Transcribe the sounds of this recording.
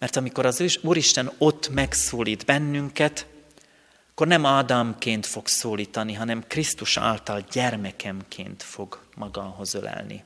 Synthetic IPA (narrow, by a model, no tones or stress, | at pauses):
mɛrt̪ɒmiko̞ɾɒzuːɾiʃt̪ɛno̞t̪ːmɛksoːliːd̪bɛnːyŋkɛt̪ | ɒkːo̞rnɛmaːd̪ɒmkeːnt̪fo̞ksoːliːt̪ɒniɦɒnɛmkrist̪uʃa̰ːlt̪ɒlɟɛrmɛkʰɛmkʰḛːnt̪fo̞ɡmɒɡɒɦo̞zølɛ̰lnḭ